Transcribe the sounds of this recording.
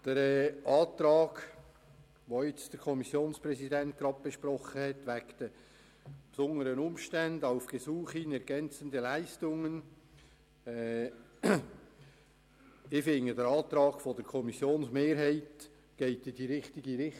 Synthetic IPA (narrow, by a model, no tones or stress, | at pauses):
d̥əɾɛʔɑːt̪ɾɑːɡ | ʋoɪt͡sd̥əɾkʰɔmisjoːnspɾɛsidɛnt̚ɡ̥ɾɑb̚b̥eʃpɾɔχəhɛtʋækd̥ə | psʊŋəɾənʊmʃtændɑʊfɡ̥esuːχinɛɾɡɛnt͡səndəlæɪstʊŋən | ɛ | ɪfɪŋədəɾɑːt̪ɾɑːɡ̥fod̥əɾkʰɔmisjoːnsmeːɾɦɛɪt | ɡ̥ɛɪtɪd̥iɾɪχtɪɡiɾɪ